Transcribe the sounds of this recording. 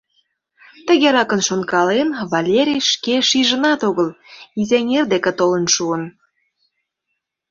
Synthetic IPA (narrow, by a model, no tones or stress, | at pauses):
t̪ə̆ɣeɾɑkənʃonkɑlenβɑlʲeɾʲijʃkeʃiʒənɑt̪oɣəlizenʲerd̪eket̪olənʃuən